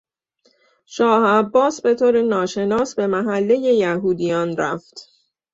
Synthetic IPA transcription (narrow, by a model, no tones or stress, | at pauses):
ʃɒːhæbːɒːsbe̞t̪ʰoːɾenɒːʃe̞nɒːsbe̞mæɦælːe̞je̞jæɦuːd̪ijɒːnɾæft̪